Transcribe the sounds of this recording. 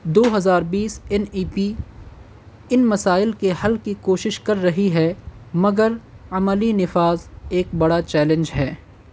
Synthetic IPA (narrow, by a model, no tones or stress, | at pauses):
d̪oːɦɐzaːɾbiːsɛniːpi | ɪnmɐsaːɪlkehɐlkikoːʃɪʃkɐɾːɐɦiɦɛːmɐɡəɾɐməlinɪfaːzeːk̚bɐɽat͡ʃɛːlə̃nd͡ʒɦɛː